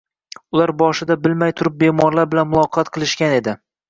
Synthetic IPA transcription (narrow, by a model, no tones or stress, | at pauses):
ʊlaɾbɒʃɪd̪abɪlmajt̪ʰʊɾɪp̚be̞mɒɾlaɾbɪlanmʊlˠɒqʰɑt̪qʰɨlˠɪʃkʲane̞d̪ɪ